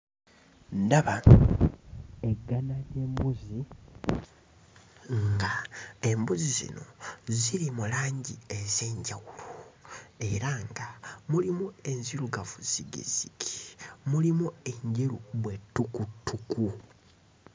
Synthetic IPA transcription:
ndaβa | eɡːanaɾeːmbuzi | ŋɡae̞mbuzizḭno̞̰ziɾimulaːɲɟiezeːɲɟawulue̞ɾaŋɡamulimue̞nziɾuɡavuz̥iɡḭz̥iki̥mulimue̞ɲɟeɾuβwe̞tːukutʰːuku

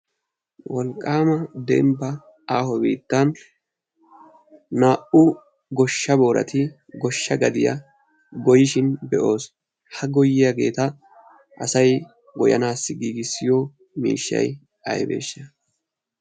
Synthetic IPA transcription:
wɔlkʼːaːmɐd̪ɛ̰mbɐ | aːhɔbḭːt̪ːɐn | aːʔʊ | ɡɔʃːɐbo̞ːɾɐ̰t̪ɪ | ɡɔʃːɐɡɐd̪ɪjɐ̰ | ɡɔjɪʃɪnbɛʔo̞ːs | hɐɡɔjɪjɐɡe̞ːt̪ɐ | ʔɐsɐj | ɡɔjɐ̰naːsːɪɡiːɡɪsːɪjo | mḭːʃːɐ̰j | ɐ̰jbḛːʃːɐ

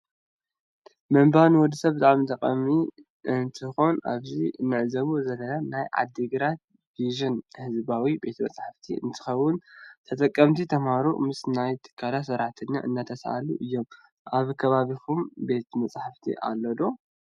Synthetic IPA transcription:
mɐmbanwɔd̪isɐβbt̪aʕmit̪ʼɐkʼɐmi | ɨnt̪ʰɨxo̞nʔa̰βziɨnːɨʕzɐβuzɐlɐnanajʕa̰d̪ːɨɡɨɾat̪̚ | viʒɐnhɨzbawibe̞t̪mɐ̰t͡sʼħaft̪ʰḭʔɨ̰nt̪ʰɨ̥xɐwːʊnt̪ʰɐt̪ʼɐkʼːɐmt̪ʰit̪ʰɐmhaɾṵmɨsnajt̪ʰɨ̥kʰːalasɐɾaħt̪ʰɨnːa̰ʔɨnːat̪ʰɐsʔa̰lṵʔɨjːo̞m | ʔaβkʰɐβaβikʰumbe̞t̪mɐt͡sʼħaft̪ʰḭʔa̰lːɐd̪o̞

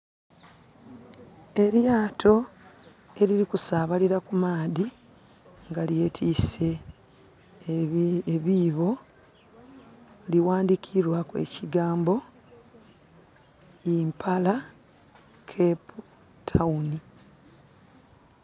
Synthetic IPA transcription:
e̞ɾjaːtʰo̞ | e̞ɾiɾikusaːβaliɾakumaːði | ŋɡalje̞ːtʰiːse̞ | βiːβo̞ | liwaːndikʰiɾwakwe̞̰ciɡaːmbo̞ | impʰala | kʰepu | tʰauni

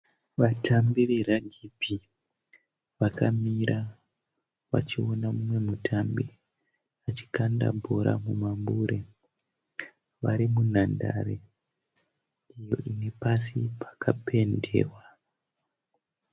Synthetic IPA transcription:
ʋatʰambiʋe̞ɾaɡʱipi | ʋakamiɾa | ʋa̰t͡ʃionamumwe̞mutʰambi | at͡ʃi̥kanda̰bʱo̞ɾʔa̰mumambuɾe | ʋaɾimunanda̰ɾḛ | ijo̞ʔine̞pasipʰḁkʰapʰe̞nde̞̰ːwa

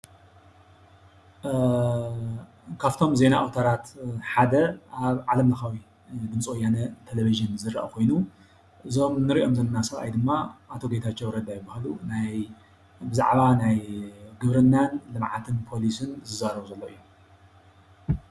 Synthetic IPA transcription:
kʰaft̪ʰo̞mze̞naʔawt̪ʰɐɾat̪ħad̪ɐʔaβʕalɐmlɨxawi | d̪ɨmt͡sʼwɔjanɐt̪ʰeleβiʒɨnzɨɾʔa̰kʰo̞jnu | ʔɨzo̞mnɨɾiʔo̞mzɐnɐnasɐβa̰jd̪ɨmːaʔat̪ʰoɡet̪ʰat͡ʃːowɾɐd̪ajɪbahlunaj | bɨza̰ʕβanajɡɨβɾɨnːanlɨmʕat̪ʰɨnpʰo̞lisɨnzɨzaɾɐβuzɐlːo̞ʔɨjːu

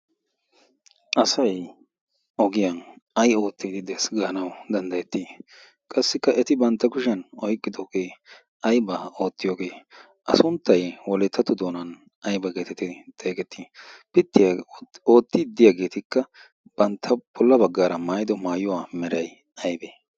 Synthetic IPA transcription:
ʔɐsɐj | ʔɔɡɪjɐnɐjo̞ːt̪ːiːd̪ɪd̪ɛsɡɐnɐwd̪ɐnd̪ɐjɛt̪ːi | kʼɐsːɪkːɐʔɛt̪ɪbɐnt̪ːɐkʊʃ̬ɛnɔjkʼːɪd̪oːɡe̞ː | ʔɐjbɐo̞ːt̪ːɪjoːɡe̞ː | ʔɐ̰sʊnt̪ːɐjwɔlɛt̪ʰːɐt̪ːʊd̪o̞ːnɐn | ʔɐjbɐɡeːt̪ɛt̪ɪt̪ʼeːkʼɛt̪ːipɪt̪ːɪjao̞ːt̪ːɪd̪ɪjaːɡe̞ːt̪ɪkːɐ | b̥ɐnt̪ʰːɐb̥ɔlːɐbɐɡːaːɾɐmaːjɪd̪ɔmaːjʊwaːmɛɾɐj | ɐjbeː

